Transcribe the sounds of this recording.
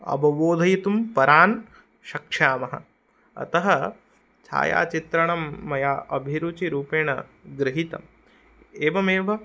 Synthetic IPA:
ɐ̰bɐʋoːd̪ʱɐjit̪umpɐɾaːn | ʃɐkʂaːmɐɦɐ̰ | ɐ̰t̪ɐɦɐ | t͡ʃʰa̰ːja̰ːt͡ʃit̪ɾɐɳɐmːɐjaːʔɐbʱiɾut͡ʃiɾuːpeːɳɐɡɾɪɦit̪ɐm | eːʋɐmeːʋɐ

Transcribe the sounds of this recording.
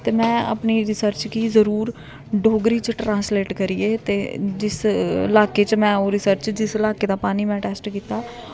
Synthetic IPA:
t̪eːmɛ̃ːə̰pniːɾɪsəɾt͡ʃkiːzəɾuːɾ | ɖʱoːɡɾiːt͡ʃʈɾãːnsleːʈkəɾiːeːt̪eːd͡ʒɪsɪ̰laːkeːt͡ʃmɛ̃ːoːɾɪsəɾt͡ʃd͡ʒɪsɪlaːkeːd̪aːpaːniːmɛ̃ːʈɛːsʈkiːt̪aː

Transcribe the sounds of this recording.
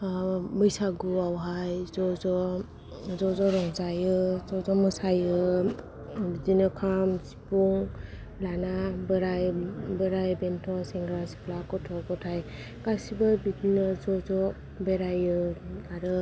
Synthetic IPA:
bɯjsaɡuawɦajzɔzɔ | zɔzɔɾɔŋzajɯzɔzɔmɯsajɯ | bidinɯkʰamsi̥puŋ | lanabɯɾajbɯɾajbentʰɔseŋɡɾasi̥plakɔtʰɔɡɔtʰaj | kasibɯbidinɯzɔzɔ | beɾajɯaɾɯ

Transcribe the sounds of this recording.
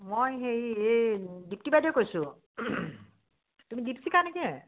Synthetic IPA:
mojɦejedip̚tibajdɔjkojsʊ | tumidipsikanɛkɛ

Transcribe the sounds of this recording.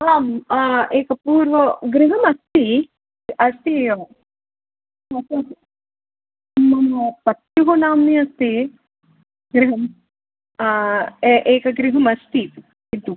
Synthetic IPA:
aːmeːkɐpuːɾʋɐɡɾiɦɐmɐst̪i | ɐst̪i | ɐt̪ːɐ | mɐnɐpɐt̪juɦonaːmniɐst̪i | ɡɾiɦɐm | eʔeːkɐɡɾiɦɐmɐst̪i | it̪ːu

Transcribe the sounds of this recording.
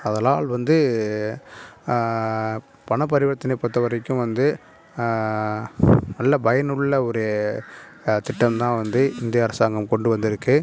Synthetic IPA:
ɐðɐlaːlʋɐnd̪ɯ | pɐɳɐp̬ːɐɾɪʋɐt̪ːɪnɐpːɐt̪ːɐʋɐɾɐɪkːɯ̃ʋɐnd̪ɯ | nɐlːɐbɐjɐnɯɭːɐɔɾɯjɐ | t̪ɪʈːɐmt̪ãːʋɐnd̪ɯɪnd̪ɪjɐːɾɐsaːŋɡɐmkɔɳɖɯʋɐnd̪ɪɾɯkːɯ

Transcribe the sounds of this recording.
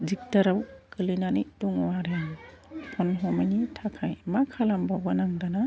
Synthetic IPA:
zik̚taɾawkɯlinanituŋwaɾenpʰɔnɦɔmanitʰakʰajmakʰalambawɡanaŋdana

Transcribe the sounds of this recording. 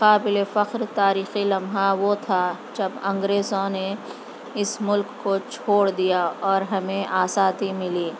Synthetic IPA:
qaːbɪlefɐqɾt̪aːɾiːxilɐmɦaʋot̪ʰad͡ʒɐbɐ̃ŋɡɾeːzõne | ɪsmʊlkːot͡ʃʰoːɽd̪ijaɔːɾɦɐmẽʔaːsaːt̪imɪliː

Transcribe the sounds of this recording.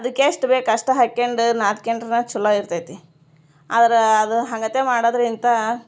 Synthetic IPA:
ɐd̪ɐkːeːʂʈbeːkɐʂʈɐɦɐkːeɳɖnaːt̪keɳɖɾnɐt͡ʃulːɐiɾt̪ajt̪i | a̰ːd̪ɐɾeɐd̪uɦɐŋɡɐt̪emaːɽad̪ɾint̪ɐ

